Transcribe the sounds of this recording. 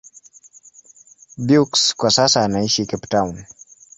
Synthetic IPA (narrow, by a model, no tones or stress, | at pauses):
bjukskwasasaːnaiʃikɛptawn